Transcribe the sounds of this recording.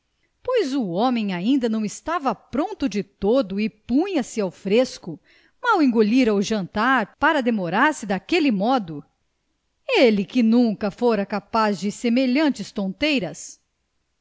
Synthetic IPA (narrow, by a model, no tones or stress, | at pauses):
pojzuomẽj̃aĩnd̪ɐnɐ̃w̃ɪst̪avɐpɾõnt̪ʊd͡ʒɪt̪od̪ʊɪpũɲɐsɪawfɾeskʊ | mawẽŋɡoʎiɾawʒɐ̃nt̪aɾpaɾɐd̪emoɾaɾsɪd̪akelɪmɔd̪ʊ | elɪkɪnũkɐfoɾɐkapazd͡ʒɪsemeʎɐ̃nt͡ʃɪst̪õnt̪ejɾɐs